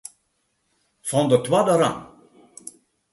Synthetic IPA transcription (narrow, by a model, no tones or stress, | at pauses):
fɔndətwadəɾɑŋ